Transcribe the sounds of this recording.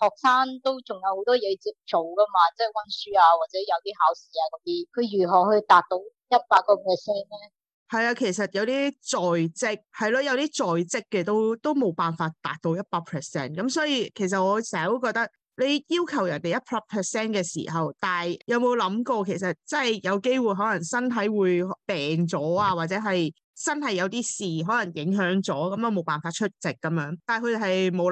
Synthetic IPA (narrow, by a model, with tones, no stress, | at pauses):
hɔː˨k̚saː˥nt̪o˥wt͡sʊ˨˩ŋjɐ˨˧who˨˥wt̪ɔː˥jɛː˨˧t͡siː˧p̚t͡ʃo˨wkɐ˥maː˧t͡sɐ˥˨wɐ˥nsyː˥aː˧waː˨t̚t͡sɛː˨˥jɐ˨˧wt̪iː˥haː˨˥wsiː˨˥aː˧kɔː˨˦t̪iː˥kʰɵ˨˧jyː˨˩ɦɔː˨˩hɵ˧t̪aː˨˩k̚t̪o˨˥wjɐ˥t̚paː˧k̚ːɔː˧pʰɛː˨˩sɛː˥nɛ˥ | hɐ˨jaː˧kʰe˨˩jsɐ˨t̚jɐ˨˧wt̪iː˥t͡sɔː˨˩jt͡sɪ˥k̚hɐ˨jlɔ˧jɐ˨˧wt̪iː˥t͡sɔː˨jt͡sɪ˥kːɛ˧t̪o˥wt̪o˥wmo˨˧wpaː˨nfaː˧t̚t̪a̰ː˨˩k̚t̪o˧˥wjɐ˥t̚paː˧k̚pʰɛː˨sɛ̰ː˥nkɐ˨˥msɔː˨˥jiː˧kʰe˨˩js̬ɐ˨ŋɔː˨˧sɛː˨˩hɐ˨˩wu˧˥kɔː˧k̚t̪ɐ˥k̚ | le˨˧jjiː˥wkʰɐ˨˩wjɐ˨˩nt̪e˨jɐ˥t̚pʰɐ˥pʰɛː˨˩sɛː˥nkɛː˧sḭː˨˩ɦɐ˨wt̪aː˨jjɐ˨˧wmo˨˧wlɐ˨˥mkɔː˧kʰe˨˩js̬ɐ˨t̚t͡sɐ˥˨jjɐ˨˧wke˥jwuː˨jɦɔː˨˥lɐ˨˩ŋsɐ˥nt̪ʰɐ˨˥jwuː˨˧jpɛː˨ŋt͡sɔː˨˥aː˧waː˨˩t̚t͡sɛː˨˥ɦɐ˨j | t͡sɐ˥nhɐ˨jɐ˨˧wt̪iː˥siː˨ɦɔː˨˥lɐ˨˩ŋjɪ˨˥ŋɦœː˨˥ŋt͡sɔː˨˥kɐ˨˦mjɐ˨˧wmo˨˧wpaː˨˩nfaː˧t̚t͡ʃʰɵ˥t̚t͡sɪ˨kːɐ˨˥mjœː˨˧˥ŋt̪aː˨˩jkʰɵ˧t͡shɐ˨jmo˨˧w